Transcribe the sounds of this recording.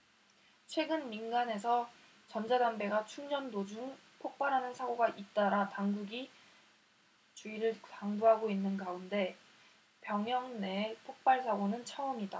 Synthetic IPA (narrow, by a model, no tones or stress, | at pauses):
t͡ɕʰwe̞ɡɯnminɡane̞s̬ʰʌ | t͡ɕʌnd͡ʑadambe̞ɡat͡ɕʰuŋd͡ʑʌndod͡ʑuŋ | pʰok̚p͈aɾɦanɯnsʰaɡoɡaʔit̚t͈aɾataŋɡuɡi | t͡ɕuiɾɯɭkaŋbuɦaɡoinːɯnɡaunde̞ | pjʌŋjʌŋne̞pʰok̚p͈aɭsʰaɡonɯnt͡ɕʰʌʌmida